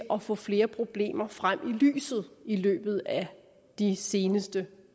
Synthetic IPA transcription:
ʔɒ̽fɔ̰̽fle̝ːɐpʰʁo̝b̥le̝̰ːmɐfʁam̰ʔily̰ːsð̞̩ˠilø̰ːb̥ð̞̩ˠæ | d̥ise̝ːnəsd̥ə

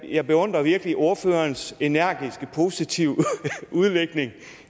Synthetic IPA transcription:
jɑ̈ɪb̥e̝ɔ̽n̰d̥ʁɐʋiɐɡ̥əliʔo̝ɐføːɐnse̝næɐ̰ɡ̥isɡ̥əpʰo̝sit͡sʰiʊ̰uð̞ˠleɡ̥ne̝ŋ

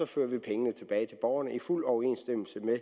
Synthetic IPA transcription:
ɒ̽fø̰ɐ̰ʋipʰeŋənət͡sʰe̝b̥ɛːɪt͡sʰe̝b̥ɒʊɐnəʔiful̰ɒʊe̝̰nsd̥em̰l̩səme

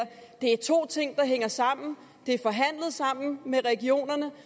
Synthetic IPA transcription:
d̥e̝æɐt͡sʰo̝̰ːt͡sʰe̝ŋ̰d̥ɑ̈ɦeŋ̰ɐsɑ̈m̰n̩ | d̥e̝æɐfɒ̽ɦæn̰lð̩ˠsɑ̈m̰n̩meʁɛɡ̥io̝̰ːnɐnə

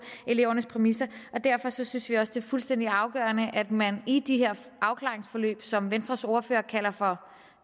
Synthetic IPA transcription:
e̝le̝ʊ̰ɐnəspʰʁɛmisɐʔɒ̽d̥æɐ̰fɒ̽sɒ̽synsʋiɒ̽sd̥e̝ːɐfulsd̥en̰d̥iɑ̈ʊɡ̥ɶ̰ːɐnəʔæd̥mænid̥iɦeɐ̰ | ʔɑ̈ʊkʰlɑ̈ːʁeŋsfɒ̽lø̰ːb̥sɒ̽mʋensd̥ʁɐso̝ːɐfø̰ːɐkʰæl̰ɐfɒ̽

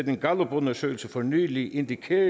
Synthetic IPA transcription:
d̥enɡ̥ɑlob̥ɔnɐsø̰ɪl̩səfɒny̰ːliʔe̝nd̥ikʰe

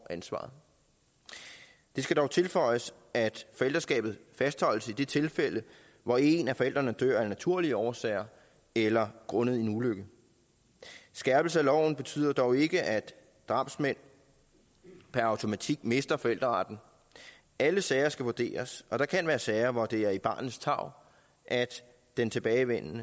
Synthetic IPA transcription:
ʔænsʋɑ̰̈ːð̩ˠ | d̥e̝sɡ̥æd̥ɒʊt͡sʰe̝lfɒ̽ɪ̰əs | ʔæd̥fɒ̽el̰d̥ɐsɡ̥ɛ̰ːb̥ð̩ˠfæsd̥hɒ̽l̰əsid̥e̝t͡sʰe̝lfel̰ə | ʋɒe̝næfɒ̽el̰d̥ʁɐnəd̥øɐ̰æɐnæt͡sʰuɐ̰liəɒʊɐsɛ̰ːɪɐ | elɐɡ̥ʁɔ̽nəð̞̩ˠinuløɡ̥ə | sɡ̥æɐb̥l̩səælɒʊ̰n̩b̥e̝t͡sʰy̰ːð̰ˠɐd̥ɒʊe̝ɡ̥əʔæd̥ | d̥ʁɑ̈b̥smen̰ | pʰæɐɑ̈ʊt͡sʰo̝mæt͡sʰiɡ̥me̝sd̥ɐfɒ̽el̰d̥ʁɐɑ̈d̥n̩ | æləsɛɪɐsɡ̥æʋuɐd̥e̝̰ːɐsɒ̽d̥ɑ̈kʰænʋæːɐsɛɪɐʋɒd̥e̝æɐib̥ɑ̈ːnð̩ˠst͡sʰɑ̈ʊ̰ | ʔæd̥ | d̥ent͡sʰe̝b̥ɛːɪʋen̰nə

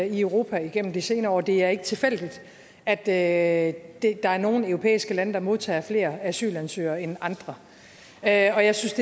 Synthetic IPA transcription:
iœʊʁo̝ːpʰæiɡ̥en̰m̩d̥ise̝ːnɐɒ̰ːd̥e̝æɐe̝ɡ̥ə̥t͡sʰe̝fel̰d̥id̥ | æd̥ø | d̥e̝d̥ɑ̈æɐno̝ːn̩øʊʁopʰḛːisɡ̥əlænəd̥ɑ̈mo̝ð̞ˠt͡sʰɛ̰ːɐfle̝̰ːɐæsy̰ːlænsø̰ːɐenɑ̈nd̥ʁɐ | øɒ̽jɑ̈ɪsynsd̥e

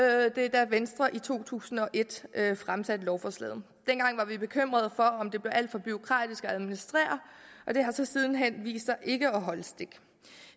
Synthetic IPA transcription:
d̥e̝d̥æʋensd̥ʁɐʔit͡sʰo̝̰ːt͡sʰṵːsn̩ɒ̽ʔe̝d̥øfʁamsæd̥lɒʊfɒslɛ̰ːðˠ | d̥enɡ̥ɑ̈ŋ̰ʋɑ̈ʋib̥e̝kʰøm̰ʁɐð̞ˠfɒ̽ɒ̽md̥e̝b̥le̝ʊʔæl̰d̥fɒ̽b̥yo̝kʰʁɑ̰̈ːd̥isɡ̥ɒæð̞ˠminisd̥ʁḛːɐð̩ˠʔɒ̽d̥e̝ɦɑ̈sɒ̽sið̞ˠn̩ɦen̰ʋḭːsd̥sɑ̈ɪʔe̝ɡ̥əɒɦɒ̽ləsd̥e̝ɡ̥

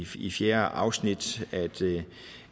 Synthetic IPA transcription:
ifjeːɐʔɑ̈ʊsnid̥æd̥

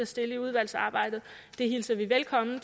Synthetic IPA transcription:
æsd̥e̝ləiuð̞ˠʋæl̰sɑ̈ːb̥ɑ̈ɪ̰d̥ð̩ˠ | d̥e̝ɦilsɐʋiʋelkʰɒ̽mn̩t͡s

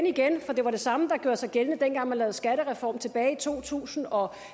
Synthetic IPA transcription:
niɡ̥enfɒ̽d̥e̝ʋɑ̈ɾ̥e̝sɑ̈məd̥ɑ̈ɡ̥jo̝ɐsɑ̈ɪɡ̥elnəd̥enɡ̥ɑ̈ŋmænlɛːð̩ˠsɡ̥æɾ̥əʁɛfɒ̰ːmt͡sʰe̝b̥ɛːɪit͡sʰo̝̰ːt͡sʰṵːsn̩ɒ̽

